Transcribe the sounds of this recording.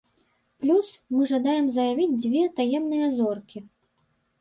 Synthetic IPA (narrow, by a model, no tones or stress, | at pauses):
plʲusmɨʐad̪ajɛmzɐjavʲid͡zʲd͡zʲvʲɛt̪ajɛmnɨjɐzɔrkʲi